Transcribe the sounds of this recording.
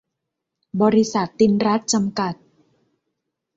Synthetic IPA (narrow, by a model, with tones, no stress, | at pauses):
bɔː˧ɾi˦˧˥sa˨˩t̪ːi˧nɾa˦˥t̪̚t͡ɕa˧mka˨˩t̪̚